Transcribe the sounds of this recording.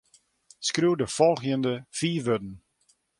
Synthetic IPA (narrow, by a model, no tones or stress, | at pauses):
skruːdəfɔlˠxjəndəfiːʋødn̩